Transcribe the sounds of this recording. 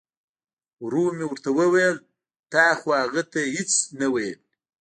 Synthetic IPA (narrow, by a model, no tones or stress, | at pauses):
wɾumewɾt̪awəwajl | t̪ɑːxohaɣat̪ahɪt͡snawajəl